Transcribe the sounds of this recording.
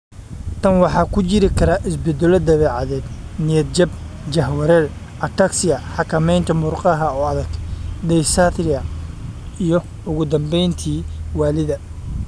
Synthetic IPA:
t̪ʰɐnwɑħɑːkʰʊt͡ʃɪɾɪkʰɐɾaːʔɪsbɛd̪ɛlɔd̪ɐβɛːʕɑðɛːd̪nɪjɐd̪̚d͡ʒɐb | d͡ʒɐɦwɐɾɛːl | ʔɐt̪ʰɐksɪjɐħɑkʰɐmɛjnt̪ʰɐmʊrqʼɑɦɐɔːɐðɐɡ̥d̪ɛjsat̪ʰrɪɐ | ijɞ | ʊɣʊd̪ɐmbɛjnt̪ʰiːwɑːlɪðɐ

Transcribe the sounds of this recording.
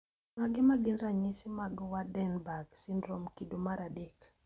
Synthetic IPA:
maɡɪmaɡɪnɾaɲɪsɪmaɡwadɛnbaɡsɪndɾomkidomaɾadek

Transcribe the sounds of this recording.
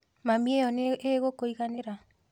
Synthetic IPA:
mamiejɔneeɣokoiɣaneɾa

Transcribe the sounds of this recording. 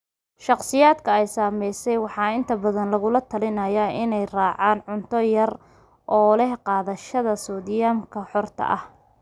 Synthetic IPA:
ʃɑqsɪjaːd̪kʰɐɛjsaːmɛjsɛjwɑħɑːɪnt̪ʰɐbɐðɐnlɐɣʊlɐt̪ʰɐlɪnɐjaʔɪnɛjrɑːʕɑːnʕʊnt̪ʰɔjɐr | ʔɔːlɛhqɑːðɐʃɐðɐsɔːd̪ɪjamkʰɐħɔrt̪ʰɐ̰ʔɐh

